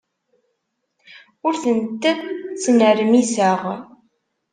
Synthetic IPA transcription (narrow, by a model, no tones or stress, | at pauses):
ʊɾθənt̪ːæt͡sːnəɾmisəʁ